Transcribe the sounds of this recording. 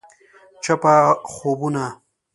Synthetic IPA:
t͡ʃɐpaːxoːbuna

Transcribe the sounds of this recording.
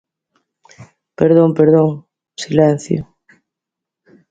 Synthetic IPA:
peɾðoŋpeɾðoŋ | silɛn̟θjo̰

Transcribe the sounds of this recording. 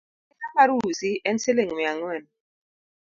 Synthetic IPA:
ɛkakaɾusiʔɛnseleŋjaŋɛn

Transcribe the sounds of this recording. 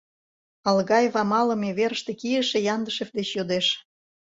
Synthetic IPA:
ɑlɣɑjevɑmɑlə̆meβeɾəʃt̪ekijəʃĕjɑnd̪əʃefd̪et͡ɕjod̪eʃ

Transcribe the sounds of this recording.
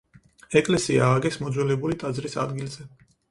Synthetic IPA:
ɛkʼlɛsiaːɡɛsmɔd̪zwɛlɛbulit̪ʼad̪zɾisa̰d̪ɡilˠz̥ɛ

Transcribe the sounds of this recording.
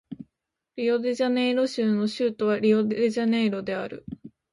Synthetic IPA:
ɾʲijo̞d̪e̞ʑane̞iɾo̞ɕɨːno̞ɕɨːt̪o̞βaɾʲio̞d̪eʑane̞ːɾo̞d̪e̞aɾɯ̟̰

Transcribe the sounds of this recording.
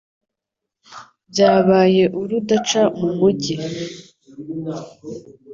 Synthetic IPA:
bɟaːβaːje̞ʔuɾudat͡ʃamumuɟi

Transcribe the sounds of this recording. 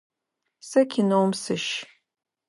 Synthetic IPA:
sɐkʰʲinowmsɨʃ

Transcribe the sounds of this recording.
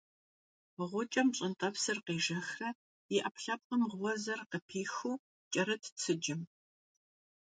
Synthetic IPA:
ʁʷʊt͡ʃʼɐmɕʼɪntʼɐpsɨrqeːʒɐxrɐ | iʔɐpɬɐp̚qənʁwɔzɐrqəpʰiːxuː | t͡ʃʼɐɾɐtʰt͡sʰɨd͡ʒɪm

